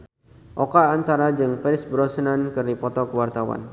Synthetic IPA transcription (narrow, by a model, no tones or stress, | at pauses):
ʔokaːnt̪aɾad͡ʒɨŋfɛɾɪsbɾɔsənankərdipɔt̪ɔkəwart̪awa̰n